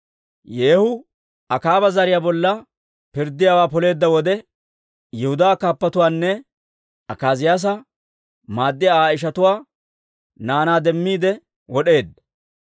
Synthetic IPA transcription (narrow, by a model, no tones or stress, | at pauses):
jeːhʊ | ɐkaːbɐzɐɾɪjaːbɔlːɐ | pɪɾd̪ːɪjawaːpɔle̞ːd̪ːɐwɔd̪ɛ | jɛhʊd̪aːkaːpːɐt̪ʊwaːnːɛ | ɐkaːzɪjaːs̬ɐ | maːd̪ːɪjaaːɪʃ̬ɐt̪ʊwaː | naːnaːd̪ɛmːiːd̪ɛ | wɔɗe̞ːd̪ːɐ